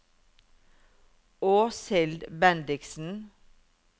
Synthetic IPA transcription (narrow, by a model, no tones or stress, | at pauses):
oːsɛld̪bænd̪ɪksn̩